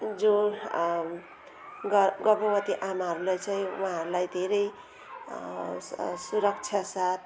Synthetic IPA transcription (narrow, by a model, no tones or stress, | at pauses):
d͡zõ | ɡɡʌbʌbʌt̪iʔamaɦʌɾulajt͡saĩuɦãɦʌɾulajd̪ʱeɾʌj | suɾʌk̚t͡sʰjasat̪̚ʰ